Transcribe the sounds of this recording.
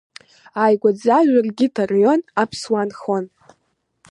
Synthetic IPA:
ajɡʷad͡zaʒʷᶣarɡʲitʰarjo̞napʰswanχo̞n

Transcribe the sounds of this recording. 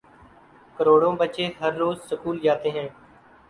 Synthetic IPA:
kəɾoːɽõːbətːt͡ʃeːɦəɾːoːzsəkuːld͡ʒaːt̪eːɦɛ̃ː

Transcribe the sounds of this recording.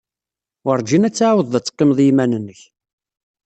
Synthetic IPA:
əɾˤd͡ʒinæt͡sːʕwəðˤðæt͡sːqːemðˤjimænənːəç

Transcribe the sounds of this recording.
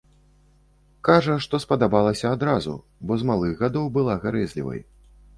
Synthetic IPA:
kaʐɐʂt̪ɔspɐd̪abalˠɐsʲɐːd̪ɾazṵ | bɔzmalˠɨɣɣad̪ɔwbɨlˠaɣaɾɛzʲlʲḭvɐ̰j

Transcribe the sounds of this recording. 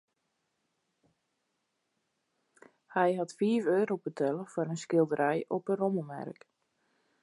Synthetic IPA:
hɛjɦatfiːvøːɾobətʰɛlˠəfɔɾənskɪlˠdəɾɛjɔpəroməmɛ̰rk

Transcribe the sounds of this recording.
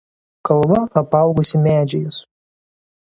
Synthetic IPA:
kɐlˠbɐɐpɑˑʊɡʊsʲɪmʲæːd͡ʒʲɛjʊs

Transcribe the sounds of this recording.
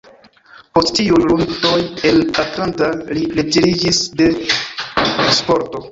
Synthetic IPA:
po̞sttiujluntojelatlantaliled͡ʒeɾid͡ʒisde̞ | spo̞ɾto̞

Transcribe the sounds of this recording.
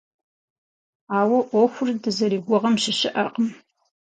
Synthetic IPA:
aːwɐʔʷɔxʷʊrdɨzɐɾiːɡʷʊʁɐmʃɪɕɪʔɐqəm

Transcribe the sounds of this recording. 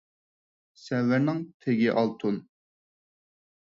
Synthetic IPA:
sɛvːɪɾnɪŋt̪ʰeɡʲiʔɑlˠt̪ʰun

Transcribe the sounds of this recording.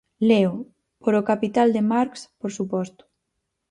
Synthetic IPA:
leo | poɾokapit̪ald̪emaɾkspoɾsupɔst̪ʊ̥

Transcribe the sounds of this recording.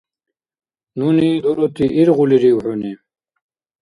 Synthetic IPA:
nunid̪oɾot̪iʔiɾʁuliɾiwħuni

